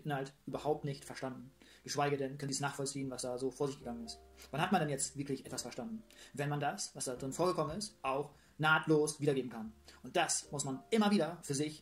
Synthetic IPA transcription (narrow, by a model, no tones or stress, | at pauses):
tn̩altʔyːbɐhaʊp̚tnɪçtfɛɐʃtandn̩ɡ̥əʃv̥aɪɡədɛnkʰœnisnaːχfɔlt͡siːənvasd̥aːzoːfoːɐzɪçɡ̥əɡaŋənɪstvanhatmandɛnjɛt͡stvɪɐklɪçʔɛtv̥asfɛɐʃtandn̩vɛnmandasvasd̥aːdʁɪnfoːɐɡəkʰɔmənɪstʔaʊx | naːtʰloːsviːdɐɡeːbm̩kʰanʔʊnt̚d̥asmʊsmanʔɪmɐviːdɐfyːɐzɪç